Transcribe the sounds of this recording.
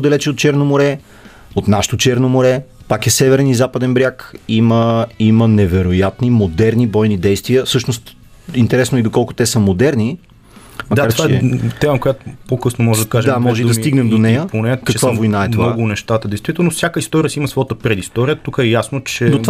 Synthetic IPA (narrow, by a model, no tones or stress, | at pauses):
od̪ɐlɛt͡ʃɛot̪̚t͡ʃɛɾnomoɾɛ | ot̪naʃɛ̥t̪ot͡ʃɛɾnomoɾɛpakɛsɛvɛɾɛnizapəd̪ɛnbɾʲjakiməimənɛvɛɾojat̪nimod̪ɛɾnibɔjnid̪ɛjst̪viəfsɤʃnost̪ | int̪ɛɾɛsnoid̪okɔlˠkʊ̥t̪ɛsəmod̪ɛɾni | mɐaaɾt͡ʃɛɛt̪ɛməkojat̪opokɤsnomɔʒɛd̪ɐɐkaʒd̪amɔʒɛd̪ɐst̪iɡnɛmd̪onɛjjəponɛkɐkvavojnaɛmovɔɡʊnɛʃt̪at̪əd̪ɛɪjst̪vit̪ɛlˠnofsʲjakəist̪ɔɾiəsiiməsvɔjat̪əpɾɛd̪ist̪ɔɾijət̪ukəɛjasnot͡ʃɛd̪ova